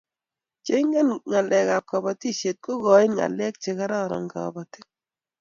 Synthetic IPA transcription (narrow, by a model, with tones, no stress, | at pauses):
t͡ʃe˦ŋɛ˦nŋa˨lʔɛ˨ka˨p̚ka˨bɔ˨ti˦ʃe˨t̚ko˦kɔ˨ɪ˦nŋa̰˨lɛ˦k̚t͡ʃe˨ka˦ɾa˦ɾɔ̰˨ŋka̰˨bɔ˨ti˦